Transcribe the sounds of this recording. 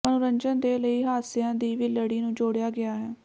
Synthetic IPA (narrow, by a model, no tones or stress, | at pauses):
ənʊɾəɲd͡ʒənd̪eːləiːɦaːsɪjãːd̪iːʋiːləɽiːnũːd͡ʒoːɽejaːɡɪaːɦɛː